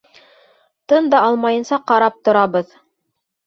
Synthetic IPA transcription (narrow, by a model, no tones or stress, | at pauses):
t̪ɤnd̪ɑɑlˠmɑjɤ̆nsɑqɑɾɑp̚t̪ŏɾɑβɤð